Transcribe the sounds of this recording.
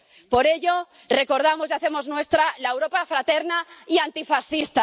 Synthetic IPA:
po̞ɾe̞ʎo̞ | re̞ko̞ɾð̞amozʝaθe̞mo̞znwe̞st̪ɾalaewɾo̞pafɾat̪e̞ɾnaiant̪ifasθist̪a

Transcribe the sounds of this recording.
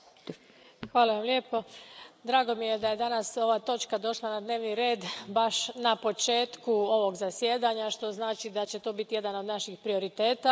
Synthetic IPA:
xʋaːlaʋamljepo̞d̪ɾaːɡo̞mije̞d̪aje̞d̪anaso̞ʋat̪o̞t͡ʃkad̪o̞ʃlˠanad̪ne̞ːʋniɾe̞ːd̪baʃnapo̞t͡ʃe̞ːt̪kuo̞ʋo̞ɡzasjed̪aɲaʃt̪o̞znaːt͡ʃid̪at͡ɕe̞t̪o̞ːbit̪ije̞d̪ano̞d̪naʃixpɾio̞ɾit̪e̞ːt̪a

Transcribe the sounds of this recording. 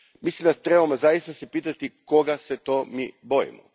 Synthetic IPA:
mislimd̪at̪ɾebamozajist̪asepiːt̪at̪iko̞ɡaset̪o̞miːbo̞jḭmo̰

